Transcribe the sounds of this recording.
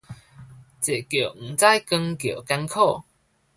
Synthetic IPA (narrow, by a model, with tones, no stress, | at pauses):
t͡se˨˩kjo˨˩ŋ̩˨˩t͡sa˥˧jkə˧ŋkjo˨˩ka˧˥nkʰo˥˧˨